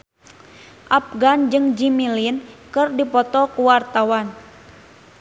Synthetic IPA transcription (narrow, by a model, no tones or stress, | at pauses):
ʔap̚ɡand͡ʒɨŋd͡ʒimilinkɨrdipɔt̪ɔkuwart̪awan